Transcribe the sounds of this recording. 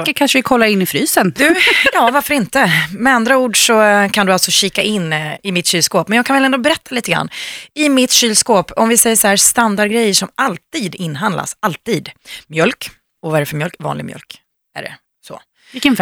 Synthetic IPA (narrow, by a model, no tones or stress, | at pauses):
əkʰanʂəvɪkʰɔlːaɾɪnːɪfɾyːsəndd̪ɵjɑːvaɾfœɾɪnt̪əmɛand̪ɾauːɖʂɔkʰand̪ɵalt̪sɔɕiːkaʔɪnːɪmɪt̪ɕyːlskoːpmɛnjɑːɡkʰanvɛlɛnd̪oːbɛɾɛt̪ʰːaliːt̪əɡɾa̰nːɪmɪt̪ɕyːlskoːpɔmvɪsɛjːəʂɔhæːst̪and̪aɖɡɾɛjːəʂɔmʔalt̪iːd̪ɪnːɦand̪la̰salt̪iːd̪mjœlk | ɔvaɛɾɛfœɾmjœlkvɑ̰ːnlɪɡmjœ̰lk | æ̰ɖɛ̰ | sɔ̰ | vɪkːən